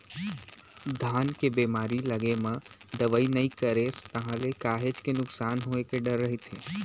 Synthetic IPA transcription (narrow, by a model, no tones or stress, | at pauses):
d̪ʱaːnkebeːmaːɾiləɡemə̃d̪əʋəinɐĩkəɾeːst̪ɐɦãlekaːɦet͡ʃkenʊksaːnɦoːekeɖɐɾːəɦit̪ʰẽː